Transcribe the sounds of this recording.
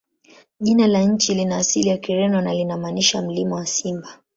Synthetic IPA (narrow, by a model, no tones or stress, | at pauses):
ʄinalaɲ̩t͡ʃilinaːsilijakiɾɛnɔnalinamaniʃam̩limɔwasimba